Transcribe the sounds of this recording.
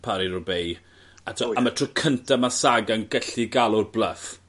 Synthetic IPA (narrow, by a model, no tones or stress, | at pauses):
pʰaɾiɾʊbej | atʰmatʰrʊkʰəntʰamasaɡanɡɛɬiɡalˠʊrbləf